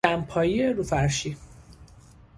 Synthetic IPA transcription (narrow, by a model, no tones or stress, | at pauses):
æmpʰɒːjieɾufæɾʃi